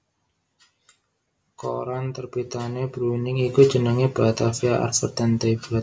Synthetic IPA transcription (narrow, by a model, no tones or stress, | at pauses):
ko̰ɾant̪ərbit̪aneb̥ɾunɪŋiku̥d͡ʒənəŋeb̥at̪afiaʔa̰rfərd̪ant̪ebɾat̪̚